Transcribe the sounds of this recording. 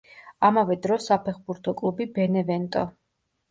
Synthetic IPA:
amavɛd̪ɾɔsapʰɛχbuɾt̪ʰɔkʼlˠubibɛnɛvɛnt̪ʼɔ

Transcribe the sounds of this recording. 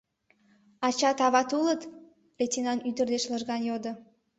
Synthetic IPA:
ɑt͡ɕɑt̪ɑβɑt̪ulət̪ | letʲinɑnyd̪ərd̪eʃləʒɣɑnjod̪ə̆

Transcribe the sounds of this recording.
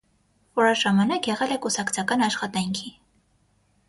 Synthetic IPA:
vɔɾɑʒɑmɑnɑkjɛʁɛlɛkusɑkt͡sʰɑkɑnɑʃχɑt̪ɑŋkʰi

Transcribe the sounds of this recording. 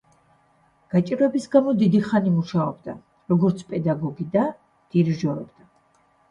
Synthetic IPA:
ɡ̥at͡ʃʼiɾwɛbisɡamɔd̪id̪iχanimuʃaɔbd̪a | ɾɔɡɔɾt̪sʰpʼɛd̪aɡɔɡid̪a | d̪̥iɾʒɔɾɔbd̪̥a

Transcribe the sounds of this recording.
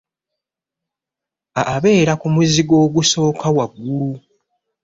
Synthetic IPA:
aːβe̞ːɾakumuziɡo̞ːɡuso̞ːkawaɡːulu

